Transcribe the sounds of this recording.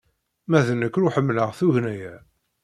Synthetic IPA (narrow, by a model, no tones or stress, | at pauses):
mæðənːəkːɾuħəmːləʁθuʝnæjæ